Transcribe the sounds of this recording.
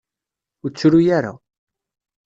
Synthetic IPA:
ʊt͡sːɾujaɾa̰

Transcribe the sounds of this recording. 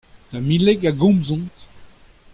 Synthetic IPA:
t̪amileɡaɡɔ̃mzɔ̃nt̪

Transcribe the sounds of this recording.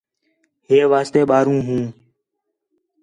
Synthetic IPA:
ɦeːʋaːst̪eːɓaːɾũːɦũː

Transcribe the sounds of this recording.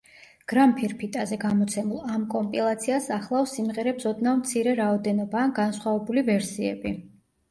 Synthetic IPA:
ɡ̥ɾampʰiɾpʰit̪ʼazɛɡamɔt̪sʰɛmulˠamkʼɔmpʼilˠat̪sʰiasaχlˠafsimʁɛɾɛbsɔd̪namt̪sʰiɾɛɾaɔd̪ɛnɔbaːɡansχwavɛbulivɛɾsiɛ̰bi

